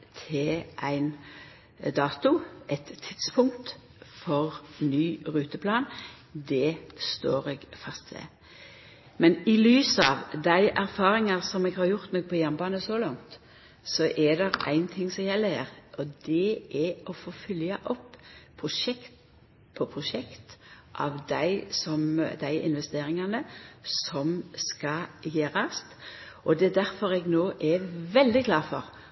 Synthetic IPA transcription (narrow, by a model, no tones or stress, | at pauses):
t̪ʰɪlʔæɪn | d̪ɑːt̪ʊʔɛt̪ʰːɪt̪spʰʊŋt̪ | fɔʁnyːʁʉːt̪əpʰlɑːn | d̪ɛst̪oːɾɛɡfɑst̪ʋɛ̰ | mɛnɪlyːsɑːʋd̪æɪʔæɾfɑːɾɪŋɑʁsɔmɛɡhɑɾjʊʁt̪nɔk̚pʰɔjæʁmbɑːnəsɔlɑŋt̪ | sɔʔɛd̪ɛɾæ̰ɪnt̪ʰɪŋːsɔjɛlːəhæːɾʔɔd̪ɛʔɛɔfoːfʏljɑʔɔpːʰɾʊʃɛkt̪ | pʰɔpʰʁʊʃɛkt̪ | ʔɑ̰ʋd̪æɪsɔmd̪æɪʔɪ̰nʋɛst̪eːɾɪŋɑnəsɔmskɑjeːɾɑst̪ | ʔɔd̪ɛd̪æɾfɔɾɛɡnoːʔɛʋɛld̪ɪkʰlɑːɾfɔ̰ɾ